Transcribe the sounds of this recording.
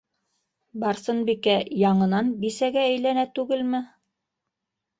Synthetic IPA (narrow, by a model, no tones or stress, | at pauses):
bɑɾsɤnbikæjɑɴɤ̆nɑnbisæɡææjlænæt̪ʉɡɘlmɘ